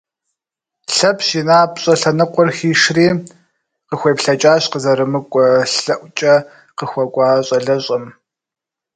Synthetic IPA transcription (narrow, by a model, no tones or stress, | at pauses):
ɬɐpʰɕinaːpɕʼɐɬɐnɨqʷɔrxiːʂriː | qəxʷeːpɬɐt͡ʃʼaːɕqəzɐɾɨmɨkʷʼɔɬɐʔʷt͡ʃʼɐ | qəxʷɔkʷʼɑːɕʼɐɮɐɕʼɐm